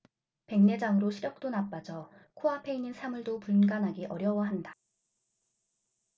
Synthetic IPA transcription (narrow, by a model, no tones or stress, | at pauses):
pe̞ŋne̞d͡ʑaŋɯɾoɕʰiɾjʌk̚t͈onap͈ad͡ʑʌkʰoapʰe̞inːinsʰamuɭdopuɭɡanɦaɡiʔʌɾjʌwʌɦanda